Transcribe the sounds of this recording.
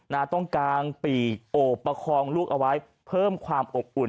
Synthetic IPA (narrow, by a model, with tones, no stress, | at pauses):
naː˧t̪ɔ˥˩ŋkaː˧npiː˨˩k̚ʔoː˨˩pːa˧kʰɔː˧ŋluː˥˩k̚ʔa˧wa˦˥j | pʰɤː˥˩mkʰwaː˧mʔo˨˩p̚ʔu˨˩